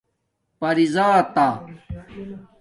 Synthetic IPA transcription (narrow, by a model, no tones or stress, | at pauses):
pɐɾizaːt̪a